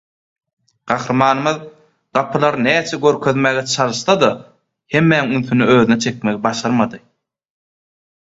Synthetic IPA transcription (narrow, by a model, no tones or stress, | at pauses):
ɢ̥ɑxɾɯmɑːnɯmɯð | ɢ̥ɑpʰɯlˠɑɾnæːt͡ʃʰeɡøɾkʰøðmæːɣet͡ʃʰɑlˠɯʃt̪ɑd̪ɑ | he̞mːænŋynθynyøːðynet͡ʃʰe̞k̚meɣibɑʃɑɾmɑd̪ɯ